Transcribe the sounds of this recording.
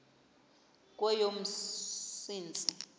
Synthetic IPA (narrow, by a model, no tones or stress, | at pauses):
k̬ʼwɛjom̩siːnt͡sʼi